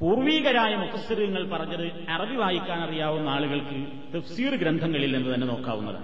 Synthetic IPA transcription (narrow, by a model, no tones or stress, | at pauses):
puːrʋiːɣɐɾaːjɐmut̪ːɐsɐɾiɣɐŋːɐɭpɐrɐɲːɐðɨ | erɐbiʋʱaːjikʲːaːnɐrijaːʋumːaːɭuɣɐɭkɨ | t̪ɐfsiːrɨɡɾend̪ʱɐŋːɐɭilnenːɨt̪ɐnːeno̞ːkːa̰ːʋunːɐ̰ðɨ̰